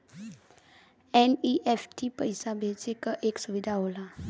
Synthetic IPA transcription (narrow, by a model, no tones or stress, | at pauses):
eniʔefʈipəjsabʱet͡sekəʔeksuʋid̪ʱaɦola